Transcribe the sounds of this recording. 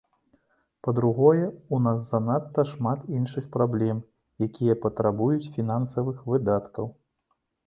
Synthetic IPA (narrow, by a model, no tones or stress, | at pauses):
pɐd̪ɾuɣɔjɛunasːɐnat̪ːɐʂmat̪inʂɨxpɾablʲɛm | jakʲʰijɐpɐt̪ɾabujut͡sʲfʲin̪ansɐvɨxvɨd̪at̪kɐw